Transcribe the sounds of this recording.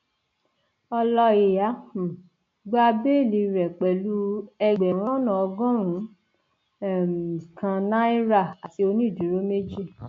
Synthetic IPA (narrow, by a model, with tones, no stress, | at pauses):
ɔ˧lɔ˧i˨ja˨˦hũ˨ | ɡ͡ba˧be˦˨li˧ɾɛ˨k͡pɛ˨lu˦ɛ˧ɡ͡bɛ˨ɾ̃ɔ̃˦nã˨ɔ˧ɡɔ̃˦ɾ̃ũ˨˦˨ | m˨kã˧nã˦i˦ɾa˦˨a˨ti˧o˧nĩ˦˨di˨˦ɾo˦me˦d͡ʒi˦˨